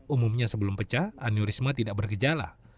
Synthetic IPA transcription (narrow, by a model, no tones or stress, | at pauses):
umumɲasəbəlʊmpət͡ʃahaniuɾismat̪idak̚bərɡəd͡ʒala̰